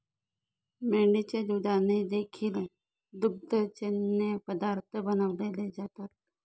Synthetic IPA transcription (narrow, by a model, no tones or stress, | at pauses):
meɭɳet͡ɕad̪ud̪ʱaned̪ekʰiːl | d̪uɡ̚d̪ʱət͡ɕenːepəd̪aɾt̪ʰəbənəʋleled͡zat̪at̪̚